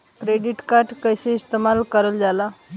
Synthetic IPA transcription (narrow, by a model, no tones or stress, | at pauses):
kɾeɖiʈkaɾʈkəjseist̪emalkəɾəld͡zala